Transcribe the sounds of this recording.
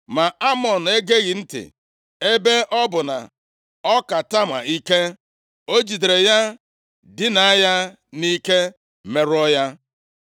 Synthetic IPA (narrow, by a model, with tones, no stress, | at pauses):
ma˨a˦mɔ˨n̩˨e˦ɡe˦ɣɪ˨n̩˦tɪ̰˨ | e˦be˦ʔɔ˦bʊ˨na̰˨ | ɔ˦ka˨ta˦ma̰˨i˦ke˦ | o˦d͡ʒi˨dɾe˨ja˦ | dɪ˦na˨˦ja˦ | ni˦ke˦ | me˨ɾʊ˦ɔ˦ja˦